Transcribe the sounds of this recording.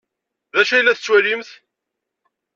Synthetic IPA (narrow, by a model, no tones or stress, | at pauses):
ðæʃæjlːæθət͡sːwælimθ